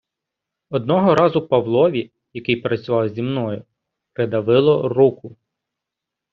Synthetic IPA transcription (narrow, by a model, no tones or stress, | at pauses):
ɔd̪nɔɦɔɾɑzʊpɐʋlˠɔʋʲi | jɐkɪjpɾɐt͡sʲʊʋɑwzʲimnɔjʊ | pɾed̪ɐʋɪlˠɔrukʊ